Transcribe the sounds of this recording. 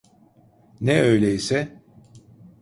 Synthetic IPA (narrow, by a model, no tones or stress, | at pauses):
nɛøjlʲɛisɛ